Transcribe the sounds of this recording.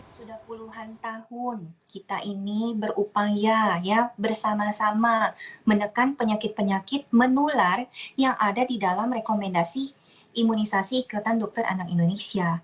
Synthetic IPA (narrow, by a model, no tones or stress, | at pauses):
sudahpuluɦant̪ahʊnkit̪aʔinibərupajajabərsamasamamənəkanpəɲakɪt̪̚pəɲakɪt̪̚mənularjaŋʔadadidalamrekomɛndasi | imunisasiːkut̪andɔk̚t̪ərʔa̰nakindonesia